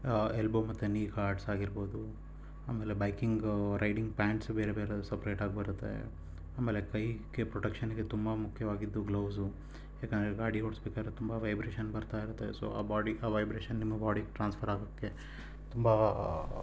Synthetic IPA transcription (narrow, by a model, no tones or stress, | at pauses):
elboːmːɐt̪ːuniːkaːɾɖsaːɡiɾboːd̪u | aːmeːlebɐjkiŋɡɾʔɐjɖiŋɡ̚paːɳʈsbeːɾebeːɾeusɐpɾeːʈaːɡ̚bɐɾut̪ːḛ | aːmeːlekɐjɡepɾɔʈɐkʂɐnɡe̞t̪umbɐmukʰjɐʋaːɡid̪ːuɡlɐwsu | ɦeːkeːnd̪ɾeɡaːɽioːɽsbeɛːkaːɾet̪umbɐʋɐjbɾeːʃɐnbɐɾt̪aːiɾut̪ːeso̰ːa̰ːbaːɖiʔaːʋɐjbɾeːʃɐnːimːɐbaːɽikʈɾaːnspʰɐɾaːɡɐkːe̞ | t̪umbɐ